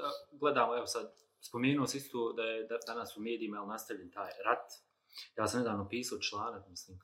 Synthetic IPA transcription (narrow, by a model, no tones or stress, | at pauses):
ɡled̪aːmoɛʋosad̪ | spomeːnuosãist̪oːd̪ajed̪d̪anasumeːd̪iːmailˠnast̪aʋʎʲent̪aːjɾat̪ | jaːsamned̪aːʋnopiːsaot͡ʃlˠaːnakmisliːm